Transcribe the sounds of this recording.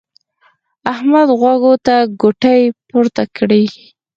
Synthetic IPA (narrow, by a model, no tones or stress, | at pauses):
ahmad̪ɣwaɡot̪aɡoʈajpoɾt̪akɽi